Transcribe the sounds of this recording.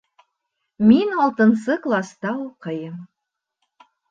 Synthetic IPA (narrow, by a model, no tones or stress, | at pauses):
mʲinɑlˠt̪ɤ̆nsɤklˠɑst̪ɑoqɤjəm